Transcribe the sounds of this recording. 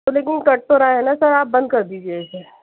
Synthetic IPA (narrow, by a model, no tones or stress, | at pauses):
oleːk̬ɪnkɐʈ̚t̪oɾaːeɦɛ̃nasɐɾaːp̚bɐ̃nd̪̚kɐɾd̪iːd͡ʒieɛːse